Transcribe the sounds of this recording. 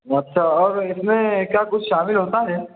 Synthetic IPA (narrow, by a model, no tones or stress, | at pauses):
ɐtːʃʰaɔːɾɪsmẽkjaːkʊt͡ʃʰʃaːmɪlɦoːt̪aɦɛː